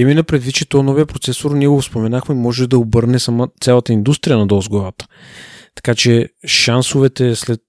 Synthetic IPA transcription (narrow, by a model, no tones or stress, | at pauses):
ɛminɐpɾɛd̪vit̪̚t͡ʃɛt̪ɔnɔvijɐpɾot̪sɛsʊɾniɛɡofspomɛnaxmɛimɔʒɛd̪ɐobɤɾnɛsɐmat̪sʲalˠət̪əind̪ust̪ɾijənɐd̪ɔzɡɔɾət̪ə̥ | t̪ɐ̥kat͡ʃɛʃansʊvɛt̪ɛslɛt̪̚